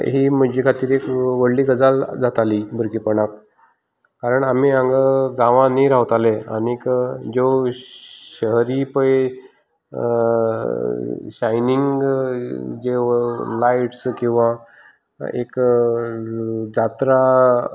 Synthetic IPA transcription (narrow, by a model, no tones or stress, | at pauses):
ɦiːməd͡ʑikʰat̪iːɾekʋəɽliːɡəd͡zald͡zat̪alibʱəɾkiːpəɽak̚ | kaɾəɳam̤iãŋɡəɡãʋãniɾaʋt̪alea̰nikd͡ʑo | ɕəɦɾipəe | ɕajniŋɡ | d͡zelaiʈskĩw̃ʋa | ḛk | d͡zat̪ɾa